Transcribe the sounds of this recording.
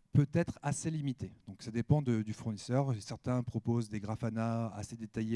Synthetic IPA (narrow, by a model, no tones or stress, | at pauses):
pøt̪ɛt̪χaselimit̪ed̪̥ɔ̃ksad̪epɑ̃d̪əd̪yfuʁnisœʁsɛʁt̪ɛ̃pχɔpozd̪eɡʁafanaa̰sed̪et̪aje